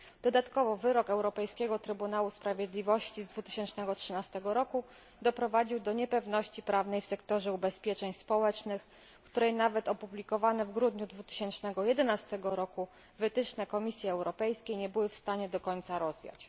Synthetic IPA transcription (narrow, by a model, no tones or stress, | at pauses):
d̪̥ɔd̪at̪kɔvɔvɘɾɔkɛwɾɔpɛjskʲɛɡɔt̪ɾɘbunawuspɾavʲjed̪lʲivɔɕt͡ɕizd̪vut̪ɘ̥ɕɛnt͡ʂnɛɡɔtʂɘnast̪ɛɡɔɾɔku | d̪ɔpɾɔvad͡ʑiwd̪ɔɲɛpɛvnɔɕt͡ɕipɾavn̪ɛjfsɛkt̪ɔʐɛubɛspʲjɛt͡ʂɛɲspɔwɛt͡ʂnɘx | kt̪uɾɛjnavɛt̪ɔpublʲikɔvanɛvɡɾud̪ɲud̪vut̪ɘ̥ɕɛnt͡ʂnɛɡɔjɛd̪ɛnast̪ɛɡɔɾɔku | vɘt̪ɘt͡ʂnɛkɔmʲisʲjɛɛwɾɔpɛjskʲejɲɛbɘwɘfst̪aɲɛd̪ɔkɔɲt̪saɾɔzvʲja̰t͡ɕ